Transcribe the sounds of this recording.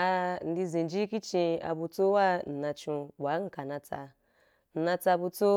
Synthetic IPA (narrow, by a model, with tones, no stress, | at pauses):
a˧n̩˧di˧zĩ˨d͡ʒi˦ki˦t͡ʃĩ˧a̰˧bu˧t͡so˦wa˦n̩˨nã˧t͡ʃũ˧ɓa˨˦ŋ̩˨ka˨nã˧t͡sa̰˧ | n̩˨˧nã˧t͡sa˧bu˧t͡so˦